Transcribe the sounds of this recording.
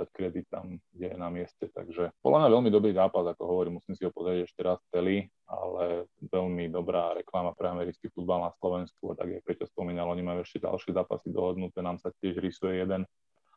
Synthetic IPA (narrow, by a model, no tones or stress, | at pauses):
ackɾɛd̪it̪ːa̰mɡɟɛnamɪɛscɛt̪a̰ɡʒɛpɔdlamɲaʋɛlmid̪ɔbɾiːzaːpazakɔɦɔʋɔɾiːmusiːmsiɦɔpɔzɾiɟɛʃcɛɾast͡sɛli | a̰lɛʋɛlmid̪ɔbɾaːɾɛklamapɾɛamɛɾit͡skifud̪balnaslɔʋɛnskua̰t̪a̰ɡjak̚pɾɛcɔspɔmiːnalɔɲimajuɛʃcɛɟa̰lʃɪɛzaːpa̰sid̪ɔɦɔd̪nut̪ɛnaːmsacɪɛʒɾisujɛjɛd̪ɛn